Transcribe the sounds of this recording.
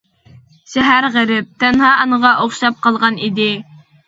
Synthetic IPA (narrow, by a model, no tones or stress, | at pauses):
ʃɛɦæɾʁæɾɪp̚t̪ʰɛnɦɑɑnəʁɑʔoχʃɑp̚qɑlˠʁɑnid̪ɪ